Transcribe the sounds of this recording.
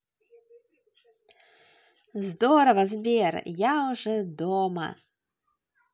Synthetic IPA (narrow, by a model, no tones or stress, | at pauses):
zd̪ɔɾɐvɐzbʲerjaʊʐɛd̪ɔmɐ̰